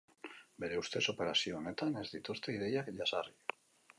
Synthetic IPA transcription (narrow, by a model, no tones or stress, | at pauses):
be̞ɾe̞ust̪e̞so̞pe̞ɾasioːne̞t̪ane̞zd̪it̪ust̪e̞iðe̞jakʎasari